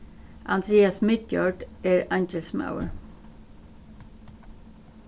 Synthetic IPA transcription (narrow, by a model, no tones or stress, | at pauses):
ʔɑnd̪ɾeːɑsmɪt̪̚jɑ̰ːɹɖeːɹænt͡ʃəlsma̰ʊə̰ɹ